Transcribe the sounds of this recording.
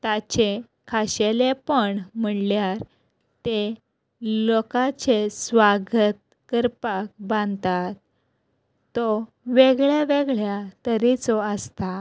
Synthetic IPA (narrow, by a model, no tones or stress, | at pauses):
t̪at͡ɕe | kʰaɕelepəɳm̤əɳljaɾ | t̪e | lokat͡ɕesʋaɡət̪̚ | kəɾpak̚bãnd̪t̪at̪ː | ɔ | ʋeɡɭjaʋeɡɭjat̪əɾit͡sɔəst̪a